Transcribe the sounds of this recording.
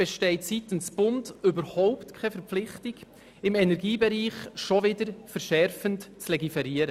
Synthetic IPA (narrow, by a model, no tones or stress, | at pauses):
b̥ɛʃtɛɪtsitənsb̥ʊndʏbəɾhɔʊptkʰɛfɛɾp͡flɪχtɪɡ̥ | ɪmɛnɛɾɡiːbɛɾiːχʃɔvɪdəɾfɛɾʃɛɾfəntt͡slɛɡifɛɾiːəɾə